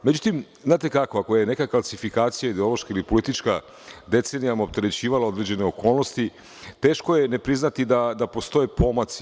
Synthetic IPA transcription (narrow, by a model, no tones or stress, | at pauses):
med͡ʑut̪im | zaːt̪e̞kakoakojene̞kakalˠsifikaːt̪sijaid̪eoloʃkailipo̞lit̪it͡ʃka | d̪e̞t̪se̞nijamop̚t̪e̞ɾe̞t͡ɕiːʋalao̞d̪ɾe̞ːd͡ʑe̞ne̞o̞ko̞ːlˠno̞st̪i | t̪e̞ːʃko̞je̞ne̞pɾiznat̪id̪ad̪apo̞st̪o̞jepo̞mas